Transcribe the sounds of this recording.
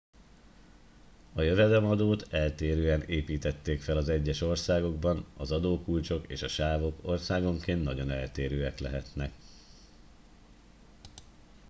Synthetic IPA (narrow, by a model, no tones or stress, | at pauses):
ɒjøvɛd̪ɛmɒd̪oːt̪ɛlt̪eːɾøːɛneːpiːt̪ɛt̪ːeːkfɛlɒzɛɟːɛʃo̞rsaːɡo̞ɡbɒnɒzɒd̪oːkult͡ʃo̞kḛːʃɒʃaːvo̞ko̞rsaːɡo̞ŋkeːnt̪nːɒɟo̞nɛlt̪eːɾøːɛklɛ̰ɦɛt̪nɛk